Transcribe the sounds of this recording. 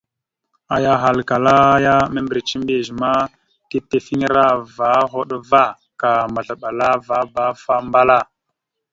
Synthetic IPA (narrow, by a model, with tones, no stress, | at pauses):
a˨ja˨ɦa˨lka˨la˦ja˦me˦mbi˨ɾi˨t͡ʃi˦mbe˨ʒi˨ma˦ | ti˦te˨fi˦ŋ˦ɾa˦va˨˦ɦo˦ɗva˦˨ | ka˨ma˨ɮa˨ɓa˨la˦va˨˦ba˦fa˦mba˦la˦˨